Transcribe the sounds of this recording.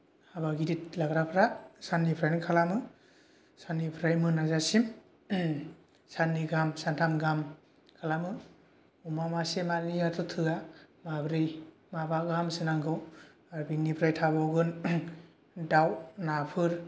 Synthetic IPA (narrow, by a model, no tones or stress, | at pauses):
habaɡidit̚laɡɾapʰɾasanːipʰɾajnkʰalamɯ | sanipʰɾajmɯnazasim | sanːiɡamsantʰamɡam | kʰalamɯ | umamasemaɾnijatʰɔtʰɯɡamabɾij | mabaɡamsɯnaŋɡɯw | aɾbiŋnipʰɾajtʰabawɡɯn | dawnapʰɯɾ